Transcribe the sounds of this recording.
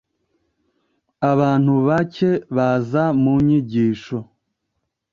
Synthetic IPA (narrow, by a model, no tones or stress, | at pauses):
aβaːn̥huβace̞βazamuɲiɟiːʃo̞